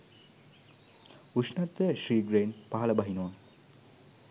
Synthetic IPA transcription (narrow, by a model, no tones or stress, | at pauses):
usnat̪ːəʃɾiːɡɾeːnpaɦɐlɐbɐɦinowa